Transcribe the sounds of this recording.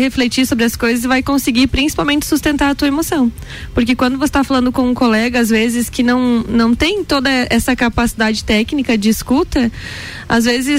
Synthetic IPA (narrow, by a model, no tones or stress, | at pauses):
heflet͡ʃiɾsobɾɪɐskojzɐz̬ɪvajkõsɪɡiɾpɾĩsi̥pawmẽnt͡ʃɪ̥sust̪ẽnt̪aɾɐt̪uɐemosɐ̃w̃ | poɾkɪkwɐ̃nd̪ʊvose̥t̪afalɐ̃nd̪ʊkõũkolɛɡɐazvezɪskɪnɐ̃w̃nɐ̃w̃t̪ẽj̃t̪od̪ɐʔɛsɐkapasid̪ad͡ʒɪt̪ɛknikɐd͡ʒɪːskut̪ɐ | azvezɪs